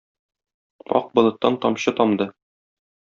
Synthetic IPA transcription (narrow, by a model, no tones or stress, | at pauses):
ɒ̰q̚bŏlˠɤ̆t̪ːɑnt̪ɒmɕɤt̪ɒmd̪ɤ